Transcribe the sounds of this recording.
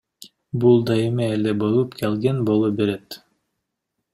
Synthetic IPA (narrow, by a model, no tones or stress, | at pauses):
bulˠd̪ɑemeeld̪ebolˠupkʰelʲɡenbolˠubeɾet̪